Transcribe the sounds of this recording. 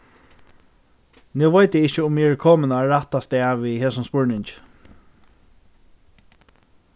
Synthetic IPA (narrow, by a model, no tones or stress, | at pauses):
nɪwʋajt̪əɪht͡ʃəʊmːɛɹkʰɔːmɪnaɹaht̪ast̪ɛːʋiɦeːsʊmspʊɹnɪɲt͡ʃ